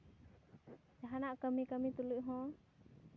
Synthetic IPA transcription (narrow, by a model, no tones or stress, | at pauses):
d͡ʒaɦanaʔkəmikəmit̪uluʔɦɔ̃